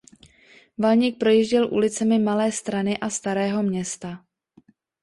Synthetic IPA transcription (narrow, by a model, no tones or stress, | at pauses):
valɲik̚pɾo̞jiːʒɟɛlʔṵlɪt͡sɛmɪmalɛːst̪ɾanɪʔast̪aɾɛːɦo̞mɲɛst̪a